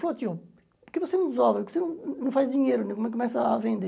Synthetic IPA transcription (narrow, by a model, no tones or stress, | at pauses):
flɔt̪jo | kɨvosenɐ̃w̃d̪zɔvɾɐvosenɐ̃w̃nɐ̃w̃fazd̪iɲejɾunẽkumɛ̃kːumɛsɐvẽnd̪e